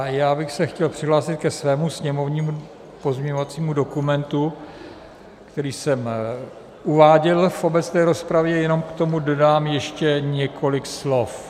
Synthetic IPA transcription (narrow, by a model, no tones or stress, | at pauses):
jaːbɪxsɛxcɛlpr̝̥ɪɦlaːsɪt̪̚kɛsvɛːmusɲɛmo̞vɲiːmu | po̞zmɲɛɲovat͡siːmudo̞kumɛnt̪u | kt̪ɛɾiːsɛm | uvaːɟɛlfo̞bɛt͡st̪ɛːɾo̞spɾavjɛjɛno̞mkt̪o̞mudodaːmjɛʃcɛɲɛkʰo̞lɪkslo̞f